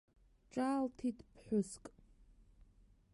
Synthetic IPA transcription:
ʈ͡ʂʼaːltʰitʰpʰħʷʊskʼ

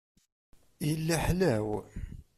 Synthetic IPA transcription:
jəlːæħlæw

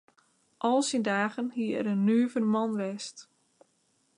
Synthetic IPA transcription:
ʔɔlˠsindaːɣənhiəɛ̰ɾənːyːvənmɔnʋɛst

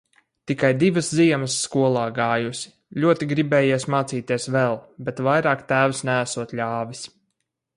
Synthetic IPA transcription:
t̪ikajd̪ivəsziɛməsːkuɔlˠaːɡaːjusi̥ | lʲuɔt̪iɡɾibɛːjesmaːt̪siːt̪iɛsvɛlˠbɛt̪vajɾaːkt̪æːwsnææsuɔt̪ʎʲaːvis

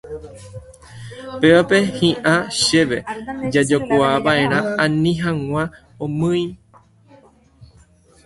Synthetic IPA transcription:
pe̞ʋape̞hĩʔãʃeʋe̞d͡ʒad͡ʒokuaʋaʔẽ̞ɾ̃ããnĩɦãŋʷã | õmɨ̃j

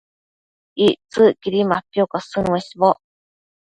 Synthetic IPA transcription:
it͡sɨkʲiɾʲimaapʲːjokasɨneɕibo

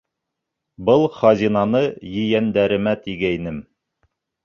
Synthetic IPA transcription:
bɤlˠχɑzʲinɑnɤjɘ̆jænd̪æɾɘ̆mæt̪iɡæjnɘm

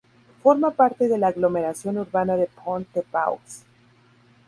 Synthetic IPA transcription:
fo̞ɾmapaɾt̪e̞ðe̞laːɣlo̞me̞ɾasjo̞nuɾβanaðepʰont̪epa̰w̰ks

